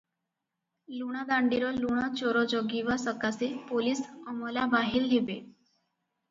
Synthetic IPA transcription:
luɽ̃ad̪aɳɖiɾɔluɽ̃at͡ɕɔɾɔd͡ʑɔɡiʋasəkasepoliːsəmɔlabaɦilɦebe

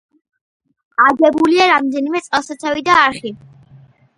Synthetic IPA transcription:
aɡɛbuliaɾamd̪ɛnimɛt̪sʼɛlˠsat̪sʰavid̪aːɾχi

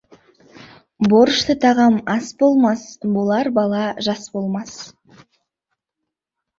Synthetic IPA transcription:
bo̞ɾʃt̪ət̪ʰɑʁɑmɑsbo̞lˠmɑsbolˠɑɾbɑlˠɑʒɑsbo̞lˠmɑs

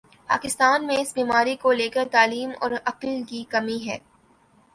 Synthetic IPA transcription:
pa̰ːkɪst̪aːnmẽɪsbiːmaːɾikoleːkəɾt̪aːliːmɔ̰ːɾɐqlkikɐmiɦɛ̰ː

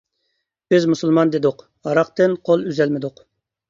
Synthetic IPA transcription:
b̥ɪzmusulˠmɑnd̪ɪd̪ʊq | ɑɾɑq̚t̪ɨnqʰolˠyzɛlmɪd̪ʊq

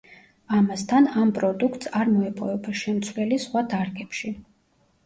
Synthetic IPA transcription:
amast̪ʰanampʼɾɔd̪ukʰt̪saɾmɔɛpʼɔvɛbaʃɛmt̪sʰwlɛlisχwad̪aɾɡɛpʃi

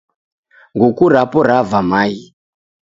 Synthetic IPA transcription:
ŋɡukuɾapɔɾavamaji

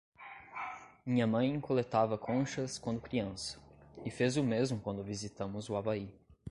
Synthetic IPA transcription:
mĩɲɐmɐ̃j̃ẽkolet̪avɐkʰõʃɐskwɐ̃nd̪ʊkɾiɐ̃sɐ̥ɪfezʊmezmʊkwɐ̃nd̪ʊvizit̪ɐ̃mʊzʊavai

